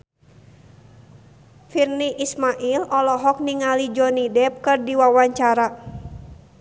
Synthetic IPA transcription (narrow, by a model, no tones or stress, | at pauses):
firniʔismaʔilʔɔlɔɦɔk̚niŋalid͡ʒɔnidɛp̚kɨrdiwawaɲt͡ʃaɾa